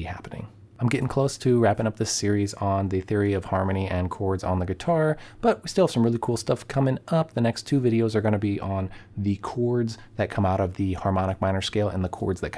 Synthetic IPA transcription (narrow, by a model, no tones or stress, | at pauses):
ihæ̰pənɪ̰̃ŋ | ãɪ̃mɡɛɾɪ̃ŋkʰl̥oʊstʰɨɹæpɪ̃ŋʌp̚ðɪsɪɹizn̩ðɨθɪɹiʌv̥hɑɹmɨniʔɨ̃nkʰɔɹdzn̩ðɨɡɨtʰɑɹb̥ʌt̚wistɪlˠvsʌ̃mɹɪlˠikʰulˠstʌfkʰʌ̃mɪ̃ŋʌp̚ðɨnɛkstʰʉvɪɾioʊzə˞ɡʌ̃nɨbiʔə̃nðɨkʰɔɹdz | ðɨt̚kʰʌ̃maʊɾʌvðɨhɑɹmɑɾ̃ɨk̚mãɪ̃nə˞skeɪlˠə̰̃nðəkʰɔ̰ɹdzðɨt̚kʰ